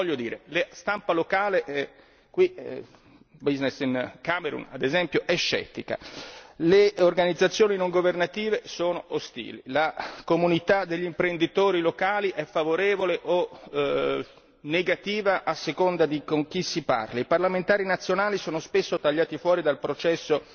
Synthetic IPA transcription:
vɔʎːjːod̪iːɾelest̪ampalokaːleʔɛ | kwi | biznesinkameɾṵna̰d̪ezɛmpjoʔɛʃːɛ̰t̪ːika̰leorɡanid̪zːat̪sːjoːninoŋɡovernat̪iːvesoːnoʔost̪ḭːlḭlakomunit̪ad̪eʎːimpɾend̪it̪oːɾilokaːliʔɛfːavoɾeːvoleʔo | nːeɡat̪iːvaʔːsːekond̪ad̪ikoŋk̟isːipa̰rlaiparlament̪aːɾinat̪sːjonaːlisoːnospesːot̪aʎːaːt̪ifwɔːɾid̪alpɾot͡ʃɛsːo

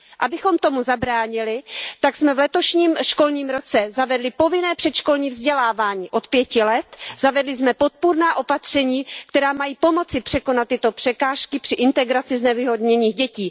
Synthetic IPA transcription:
ʔabɪxo̞mt̪o̞muzabɾaːɲɪlɪt̪aksmɛvlɛt̪o̞ʃɲiːmʃko̞lɲiːmɾo̞t͡sɛzavɛdlɪpo̞vɪnɛːpr̥ɛt̪ʃko̞lɲiːvzɟɛlaːvaːɲiːʔo̞t̪pjɛcɪlɛt̪zavɛdlɪzmɛpo̞t̪̚puɾnaːʔo̞pat̪r̝̥ɛɲiːkt̪ɛɾaːmajiːpo̞mo̞t͡sɪpr̥ɛko̞nat̪ːɪt̪o̞pr̥ɛkaːʃkɪpr̥ɪʔɪnt̪ɛɡɾat͡sɪznɛvɪɦo̞d̪ɲɛɲiːxɟɛciː

